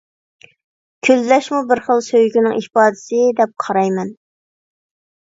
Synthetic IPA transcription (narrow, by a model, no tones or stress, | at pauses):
kʲʰyllɛʃmubɪɾχəlˠsøjɡʲynɪŋʔihpɑːd̪ɪsɪd̪ɛp̚qʰɑɾɑjmɛn